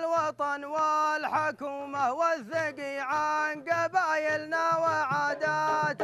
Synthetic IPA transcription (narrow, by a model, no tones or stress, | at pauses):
lwɑt̪ˤɑnwalħakuːmahwaðːaɡiʕanɡabaːjɪlnawaʕaːd̪at̪